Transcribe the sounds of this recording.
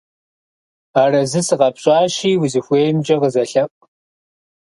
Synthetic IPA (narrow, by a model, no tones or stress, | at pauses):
aːrɐzɨsɨʁɐpɕʼɑːʃiːwʊzɨxʷeːjɪmd͡ʒʼɐʁəzɐɬɐpʼ